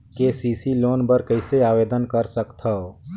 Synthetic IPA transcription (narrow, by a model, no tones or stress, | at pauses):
kesiːsiloːnbəɾkɐɪseaːʋeːd̪ənkəɾsəkt̪ʰao